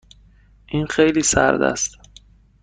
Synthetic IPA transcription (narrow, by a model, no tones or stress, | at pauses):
ʔiːnxejliːsæ̰ɾd̪æ̰st̪